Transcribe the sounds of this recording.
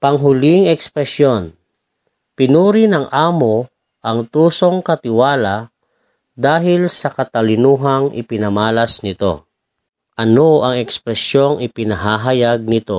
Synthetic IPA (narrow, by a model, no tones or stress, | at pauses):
pɐŋɦʊliŋɛkspɾɛsjon | pɪnuːɾɪnɐŋʔaːmo | ʔɐŋt̪uːso̞ŋkɐt̪ɪwaːla | d̪aːɦɪlsɐkɐt̪ɐlɪnuːɦaŋʔɪ̰pɪnɐmaːlɐsnɪt̪o̰ | ʔɐnoɐŋɛkspɾɛsjo̞ŋɪpɪnɐɦaːɦɐjaɡ̚nɪt̪o̰